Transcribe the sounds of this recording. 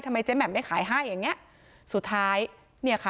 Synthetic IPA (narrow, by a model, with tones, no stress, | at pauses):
jt̪ʰa˧mːa˧jt͡ɕeː˦˥bɛː˨˩a˥˩kʰaː˩˦jɦaː˥˩jːaː˨˩ŋːni˦˥ɐʔ | su˨˩t̪ʰːaː˦˥j | ni˥˩kʰa˦˩